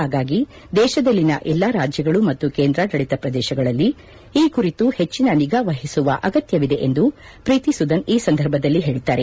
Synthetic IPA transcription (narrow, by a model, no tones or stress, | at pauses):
ɦaːɡaːɡi | d̪ɛːʃɐd̪ɐlːinɐʔɛlːaːɾaːd͡ʒjɐɡɐɭumɐt̪ːukeːnd̪ɾad̪ɐɭit̪ɐpɾɐd̪ɛːʃɐɡɐɭɐlːi | iːkuɾit̪uhe̞t͡ʃːinɐniɡaʋɐɦisuʋɐʔɐɡɐt̪jɐʋid̪e̞ʔend̪u | pɾiːt̪isud̪ɐniːsɐnd̪ʱɐɾbʱɐd̪ɐlːiɦe̞ːɭit̪ːaːɾe